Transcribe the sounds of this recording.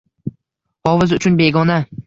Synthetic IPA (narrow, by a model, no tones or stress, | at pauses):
ɒvɪzʊt͡ʃʰʊnbe̞ɡɒna